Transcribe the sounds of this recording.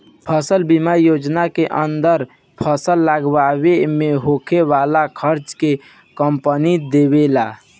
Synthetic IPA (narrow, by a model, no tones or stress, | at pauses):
pʰəsəlbimajod͡ʒnakeʔənd̪əɾ | pʰəsəlːaɡwawemeɦokʰeʋalakʰəɾt͡ʃke | kəmpənid̪ebela